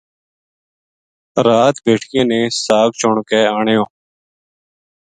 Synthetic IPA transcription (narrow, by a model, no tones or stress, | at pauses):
ɾaːt̪bʱeːʈʰɪjãːnẽːsaːkt͡ʃʰʊɳkɛːaːɳjõː